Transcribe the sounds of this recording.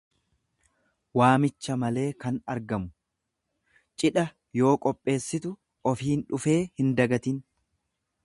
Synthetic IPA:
waːmɪt͡ʃːɐmɐle̞ːkɐnɐɾɡɐmʊ | t͡ʃʼɪᶑɐ | jo̞ːkʼɔpʼːe̞ːsːɪt̪ʊ | ɔfiːnᶑʊfe̞ːhɪnd̪ɐɡɐt̪ɪn

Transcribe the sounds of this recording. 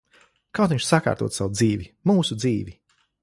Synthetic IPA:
kawt̪ʲiɲʲʃsaka̰ːɾt̪uɔt̪sawud̪ziːvimuːsud̪ziːvi

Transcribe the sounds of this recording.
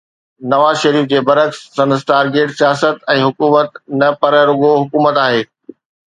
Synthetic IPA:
nɐʋaːzʃɐɾiːfd͡ʑeːbɐɾəksːɐ̃nsʈaːɾɡeːʈsijaːsət̪ɛ̃ːɦʊkuːmət̪nɐpɐɾɾʊɡoɦʊkuːmət̪aːɦeː

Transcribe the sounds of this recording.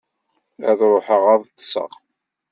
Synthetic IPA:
æðɾˤoħəʁɑðˤt̪ːsə̰ʁ

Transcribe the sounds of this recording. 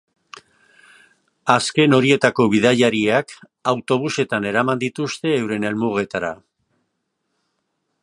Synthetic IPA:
aske̞no̞ɾie̞t̪ako̞βiðaʎaɾiak | awt̪o̞β̞use̞t̪ane̞ɾamand̪it̪ust̪e̞ːwɾe̞ne̞lmuɣ̞e̞t̪aɾa̰

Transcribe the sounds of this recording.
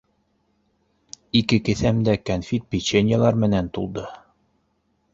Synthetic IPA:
ikɘkɘ̆θæmd̪ækɐnfʲit̪̚pʲit͡ɕenʲjalˠɑɾmɘ̆nænt̪ulˠd̪ɤ

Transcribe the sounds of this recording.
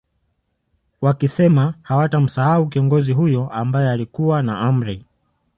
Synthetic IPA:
wakisɛmahawatam̩sahaukiɔŋɡɔziɦujɔʔambajɛalikuwanaʔam̩ɾɛ

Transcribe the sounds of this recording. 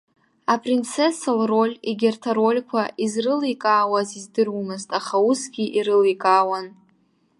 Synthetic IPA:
apʼrint͡sʰesalro̞lʲiɡʲɪrtʰaɾo̞lʲkʷʰaʔizrɨlikʼaːwazizdɨrwmɨztʼaχausɡʲiʔiɾɨlijkʼaːwan

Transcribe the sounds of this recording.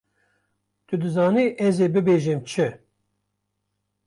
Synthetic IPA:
t̪ɨd̪ɨzɑːniʔɛzebɨbeʒemt͡ʃʰɨ

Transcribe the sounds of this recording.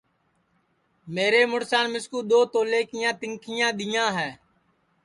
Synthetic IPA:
meːɾeːmʊɽsaːnmɪskuːɗ̪oːt̪oːleːkɪjãːt̪ɪŋkʰɪjãːɗ̪ɪjãːɦɛː

